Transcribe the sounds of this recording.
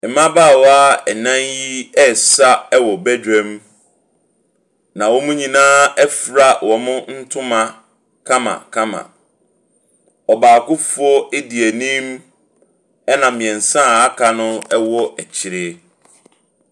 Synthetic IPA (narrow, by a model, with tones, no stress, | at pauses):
ɛ˨mã˦baː˦˨wɔ˦a˦ɛ˨nã˦nji˦ɛ˦sa˦ɛ˦wɔ˨bæ˦dᶣɛ̃˦m | nã˨wɔ˦mʊ̃˦ɲĩ˨nãː˦ɛ˦fɾa˨wɔ˨mʊ̃˦n̩˦tʰʊ̃˦mã˨ | kʰã˦mã̰˨kʰã˦mã̰˨ | ɔ˨baː˨kʊ˦fu˦ɔ˦ɪ˦di˨æ˨nĩ˦m | ɛ˦nã˨mĩ˨ɛ̃˨n˨sã˦˨a˦kʰa˨nʊ̃˦ɛ˦wɔ˦ʔɛ˨t͡ɕʰɪ˨ɾɪ˦